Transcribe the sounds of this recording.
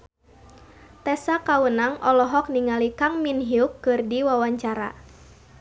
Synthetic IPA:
t̪ɛsakawənaŋʔɔlɔɦɔk̚niŋalikaŋminɦiukːɨrdiwawaɲt͡ʃaɾa̰

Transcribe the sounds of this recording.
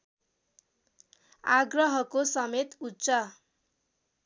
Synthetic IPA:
aɡrʌɦʌkosʌmet̪utːsʌ

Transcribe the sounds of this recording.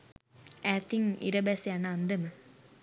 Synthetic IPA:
æːt̪ʰiŋḭɾɐbæsianəand̪əmə

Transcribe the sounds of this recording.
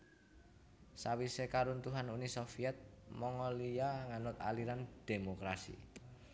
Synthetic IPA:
sawisekaɾunt̪uɦanunisofiɛt̪̚mɔŋɔlijaŋanʊt̪a̰liɾand̪̥e̤mokɾasḭ

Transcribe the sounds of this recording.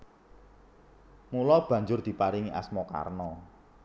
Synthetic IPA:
mulɔb̥ä̤ɲd͡ʒʊrd̪̥i̤paɾiŋiʔa̰smɔka̰rnɔ

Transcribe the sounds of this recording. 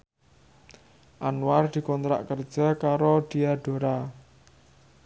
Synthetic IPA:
ʔanward̪̥i̤kɔnt̪ɾa̰ʔkərd̥ʒ̥a̤kaɾod̪̥ijaɖ̥o̤ɾa

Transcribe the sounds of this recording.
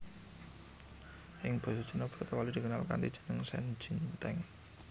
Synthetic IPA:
ʔɪŋb̥o̤sʒ̥ə̤nob̥ḁt̪əwalid̪̥ikənalka̰nt̪ḭd̥ʒ̥ə̤̥nəŋsɛ̰n̥ʒ̥i̤nt̪ɛŋ

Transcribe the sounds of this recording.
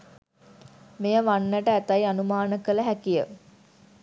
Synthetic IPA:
mejəʋanːəʈəæt̪ajanumaːnəkələɦækijə̰

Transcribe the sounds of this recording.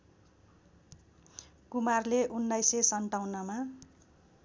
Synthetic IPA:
kumarleʔunːajsesʌɳʈawnʌma

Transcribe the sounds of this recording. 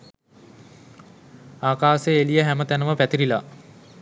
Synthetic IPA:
aːkaːseelijəɦæmət̪ænəʋəpæt̪iɾila

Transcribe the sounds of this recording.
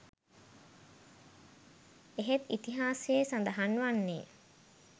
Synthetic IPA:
eɦet̪it̪iɦaːsesand̪aɦanʋanːeː

